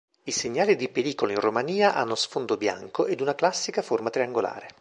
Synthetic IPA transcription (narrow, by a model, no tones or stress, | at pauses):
iseɲːaːlid̪ipeɾiːkoloinromaniːaʔa̰nːosfond̪obja̰ŋkoʔed̪unaklasːikaformat̪ɾiaŋɡola̰ːɾe